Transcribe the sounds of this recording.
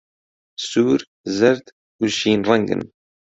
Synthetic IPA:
suɾ | zəɾd̪ | uzʃinrˤɑŋɡə̰n

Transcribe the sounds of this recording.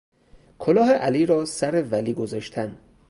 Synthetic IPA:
kʰolɒːɦeʔæliːɾɒːsæɾevæliːɡozɒːʃt̪ʰæn

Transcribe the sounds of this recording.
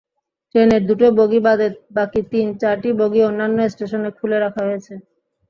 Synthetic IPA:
ʈɾeneɾd̪uʈoboɡibad̪ebakit̪int͡ɕaɾʈiboɡionːanːoesʈeʃonekʰuleɾakʰaɦojet͡ɕʰe

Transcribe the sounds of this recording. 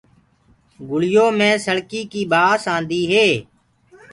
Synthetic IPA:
ɡʊlɪjoːmẽːsəɽkiːkiːbaːsãːnd̪iːɦeː

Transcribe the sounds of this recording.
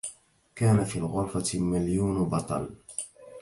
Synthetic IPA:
kaːnafiːlɣʊɾfamaljuːnbɑt̪ˤɑ̰l

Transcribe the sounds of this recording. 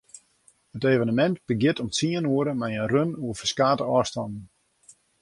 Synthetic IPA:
həteːvənəmɛntb̥əɡjɪtɔmsiənuəɾəmajənrønuəfəskaːtəɔːstɑnn̩

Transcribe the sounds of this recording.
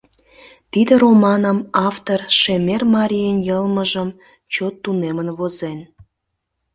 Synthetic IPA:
t̪id̪əɾomɑnəmɑft̪orʃemermɑɾʲijenjəlməʒəm | t͡ɕot̪ːunemənβozen

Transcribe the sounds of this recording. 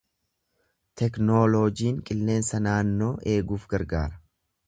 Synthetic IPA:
t̪ɛkno̞ːloːd͡ʒiːŋkʼɪlːe̞ːnsɐnaːnːo̞ːʔe̞ːɡuːfɡɐɾɡaːɾɐ̥

